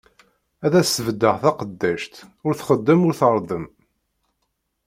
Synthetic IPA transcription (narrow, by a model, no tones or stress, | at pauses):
æðæsəvd̪ːəʁθɑqəd̪ːæʃt̪ʊɾθχəd̪ːəmʊɾθəɾˤðˤəm